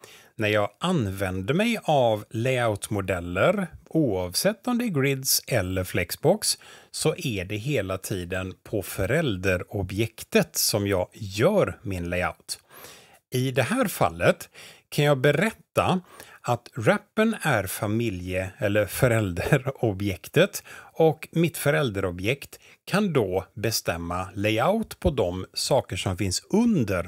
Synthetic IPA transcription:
næɾjɑːɡʔanvɛnd̪əɾmɛjavlɛaʊt̪mʊd̪ɛlːəɾuːɑvsɛt̪ːɔmd̪ɛɡɾɪd̪sɛlːəɾflɛksbɔkssɔʔæɖɛɦeːlat̪ʰiːd̪ənpʰɔfœɾɛld̪əɾɔbjɛkt̪ət̪sɔmjɑːɡjœːɾmɪnlɛɪa̰ʊt̪ | ɪd̪ɛɦæːɾfa̰lːət̪kʰanjɑːɡbɛɾɛt̪ːaat̪ɾɛpːənæɾfamɪljəɛlːəɾfœɾɛld̪əɾɔbjɛkt̪ət̪ɔkmɪt̪fœɾɛld̪əɾɔbjɛkt̪ | kʰand̪ɔbɛst̪ɛmːalɛaʊt̪pʰɔd̪ɔmsɑːkəʂɔmfɪnsɵnd̪əɾ

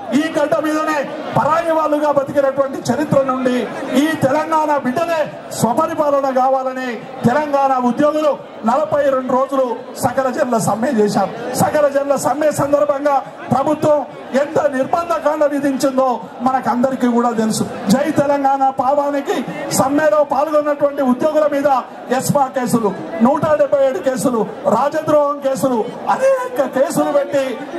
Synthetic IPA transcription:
iːɡɐɖːɐmiːd̪ɐneː | pɐɾaːjiʋaːlːuɡaːbɐt̪ikinɐʈuʋɐɳʈit͡ʃɐɾit̪ɾɐnuɳɖiːt̪ɛlɐŋɡaːnabiɖːɐleː | sʋɐpɐɾipaːlɐnɐk̬aːʋaːlɐni | t̪ɛlɐŋɡaːnaud̪joːɡulu | nɐlɐpɐjɾeɳɖuɾo̞ːd͡ʒulu | sɐkɐlɐd͡ʒɛnlɐsɐmjet͡ʃɛːʃaːmsɐkɐlɐd͡ʒɛnlɐsɐmːjesɐnd̪ɐɾbʱɐŋɡaː | pɾɐbʱut̪ʋɐm | ent̪ɐniɾbɐnd̪ʱɐkaːɳɖɐʋid̪iɲt͡ʃind̪o̞ː | mɐnɐkɐnd̪ɐɾikiːkuːɽaːt̪elusud͡ʒɐjt̪ɛlɐŋɡaːnapaːʋaːnikisɐmːjɛːloːpaːlɡonːɐʈuʋɐɳʈiud̪joːɡulɐmiːd̪ɐ | espaːɾke̞ːsulunuːʈɐɖɛbʱːɐjeːɽuke̞ːsuluɾaːd͡ʒɐnd̪ɾɔːɦɐmke̞ːsuluɐd̪ekːɐke̞ːsulupe̞ʈːi

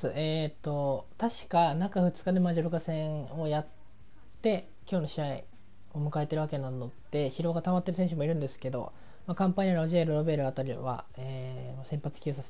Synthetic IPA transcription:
sɨʔet̪ːo̞t̪aɕi̥kanakaɸɯ̟t͡sɨ̥kad̪e̞maʑoɾokasẽ̞ɰo̞jat̪ː | e̞ | kʲo̞ːno̞ɕiai | o̞mɯ̟kae̞t̪e̞ɾɯ̟βake̞nano̞d̪̥e̞çiɾo̞ɡat̪amat̪ːe̞ɾɯ̟s̬ẽɕ̬ɯmo̞iɾɯ̟nd̪e̞sɨ̥ke̞d̪o̞̰ | makãmpaɲiɾoʑiaɾɯɾo̞be̞ɾɯ̟at̪aɾʲiβa̰ | eːmasẽ̞mpat͡sɨ̥kʲɨːsas

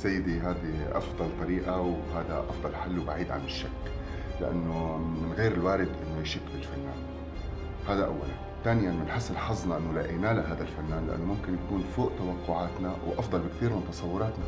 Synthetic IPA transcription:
sajːɪd̪iɦaːd̪iʔɑ̰fd̪ˤɑlt̪ˤɑɾiːʔawɦaːd̪a̰ʔɑfd̪ˤɑlħalːwbaʕiːd̪ʕa̰nɪʃːakː | lɪʔa̰nːomɪnɣeːɾɪlwaːɾɪd̪ʔɪnːojɪʃɪkːbɪlfanːaːn | haːd̪aʔa̰wːa̰la̰n | t̪aːnɪjanmɪnħɪsːɪlħɑzˤnɑʔɪnːʊlaʔinaːlaɦaːd̪alfanːaːnlɪʔa̰nːomʊmkɪnjakuːnfoːʔt̪awɑqːʊʕaːt̪nawʔɑfd̪ˤɑlbɪkt̪iːɾmɪnt̪ɑsˤɑwːʊɾˤɑːt̪na

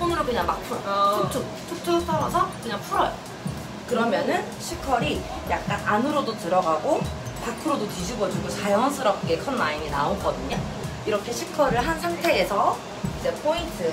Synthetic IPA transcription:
pʰonɯɾokɯɲaŋmak̚pʰuɾʌt͡ɕʰok̚t͡ɕ͈ʰu | t͡ɕʰok̚t͡ɕ͈ʰus͈awasʰʌkɯɲaŋpʰuɾʌj | kɯɾʌmjʌnɯn | ɕʰikʰʌɾi | ja̰k̚k͈ananɯɾodotɯɾʌɡaɡo | pakʰɯɾodotid͡ʑʰubʌd͡ʑuɡot͡ɕajʌns͈ʰɯɾʌp̚k͈e̞kʰʌnmaiminaonɡʌdɯɲa | iɾʌkʰe̞ɕʰikʰʌɾɯɭɦansʰaŋtʰe̞ːsʰʌ | id͡ʑepʰointʰɯ

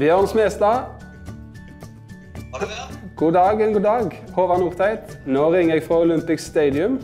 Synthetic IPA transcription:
bjøːʁnsmɛːst̪ɑ | ɡ̥uːd̪ɑːɡɛnɡuːd̪ɑːɡhoːʋɑnʊʁt̪ʰæɪt̪noːʁɪŋːəɛɡfʁɑʊlʏmpɪksst̪eɪd̪ɪʉm

